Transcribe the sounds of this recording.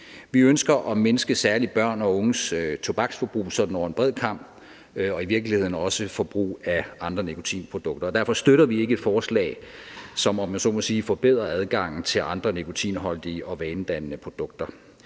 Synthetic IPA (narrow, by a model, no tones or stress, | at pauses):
ʋiønsɡ̥ɐʔɒ̽menəsɡ̥əsæɐlib̥ɶɐ̰nɒ̽ɔ̽ŋəsøt͡sʰo̝b̥ɑ̈ɡ̥sfɒb̥ʁṵːsɒ̽d̥n̩ɒʊ̰ɐenb̥ʁɛð̰ˠkʰɑ̈m̰b̥ | ɒ̽iʋiɐɡ̥lihe̝ð̰ˠn̩ɒ̽səfɒ̽b̥ʁṵːæɑ̈nd̥ʁɐnekʰo̝t͡sʰḭːnpʰʁo̝d̥ɔ̽ɡ̥d̥ɐːd̥æɐfɒ̽sd̥øɾ̥ɐʋie̝ɡ̥əe̝d̥fɒːslɛ̰ːɪsɒ̽mɒmːænso̰ːmɒsiːfɒb̥e̝ð̞̰ˠʁɐæðˠɡ̥ɑ̈ŋ̰n̩t͡sʰe̝lʔɑ̈nd̥ʁɐnekʰo̝t͡sʰḭːnɦɒ̽ld̥iːəʔɒ̽ʋɛːnd̥ænnəpʰʁo̝d̥ɔ̽ɡ̥̚d̥ɐ